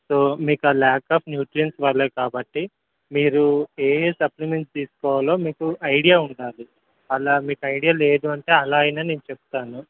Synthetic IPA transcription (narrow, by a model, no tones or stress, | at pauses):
so̞ːmiːkuaːlaːkːaːpʰnjuːʈɾijɐnsʋɐlːeːkaːbɐʈːi | miːɾueːsɐplimeɳʈst̪iːsu̥kɔːʋaːlo̞ːmiːkuʔɐjɽijaːuɳɖaːɾu | ɐlaːmiːkuɐjɽijaːle̞ːd̪uɐɳʈe̞ːɐlaːjnɐːne̞ːnut͡ʃebu̥t̪aːnu